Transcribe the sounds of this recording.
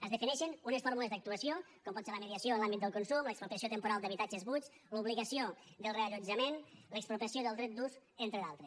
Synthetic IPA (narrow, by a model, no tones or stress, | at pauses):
əzðəfinɛʃənunesfɔɾmuləzd̪ək̚t̪uəsio | kɔmpɔt̪seɾləməðiəsioəlambit̪d̪əlˠkunsumləksplupiəsijot̪əmpuɾalˠd̪əβit̪ad͡ʒəzβut͡ʃ | luβliɣəsiod̪əlˠreəʎud͡ʒəmenləksplup̪əsioðəlˠd̪ɾɛt̪̚d̪us | ent̪ɾəðalˠt̪ɾes